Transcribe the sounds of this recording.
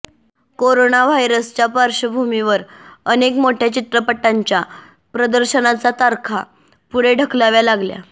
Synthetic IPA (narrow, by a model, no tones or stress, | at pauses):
koɾonaʋajɾəst͡ɕjapaɾɕəbʱumiʋəɾənekmoʈʰjat͡ɕit̪ɾəpəʈːaɲt͡ɕja | pɾəd̪əɾɕənat͡sat̪aɾkʰa | puɭeɖʱəkʰlaʋjalaɡlja̰